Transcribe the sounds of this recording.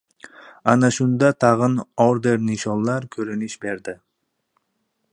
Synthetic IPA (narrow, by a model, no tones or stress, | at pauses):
ɑnɑʃund̪ɑt̪ʰɑʁɯnoɾd̪e̞ɾniʃolˠːɑɾkʲʰɵɾyniʃbe̞ɾd̪ɪ